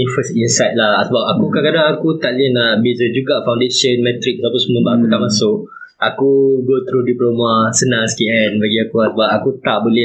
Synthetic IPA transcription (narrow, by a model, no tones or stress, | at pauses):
fəsinsajt̪̚lasəbap̚akukakadaŋakut̪aʔliənaʔbezəd͡ʒuɡafawndesənmɛ̃t̪ɾik̚sapasəmə̃baʔakukaʔmãsʊʔ | ʔakuɡot̪ɾudibɾomasənãŋskiɛnbaɡiakuasəbap̚akut̪aʔbolɛ